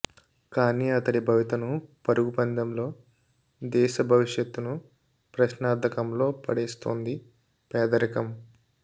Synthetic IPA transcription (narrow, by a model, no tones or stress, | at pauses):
kaːniɐt̪ɐɽibʱɐʋit̪ɐnupɐɾuɡupɐnd̪ɐmlo̞ː | d̪ɛːʃɐbʱɐʋiʂjɐt̪ːunu | pɾɐʃnaːd̪ʱɐkɐmlo̞ːpɐɽeːst̪oːnd̪i | pɛːd̪ɐɾɐkɐm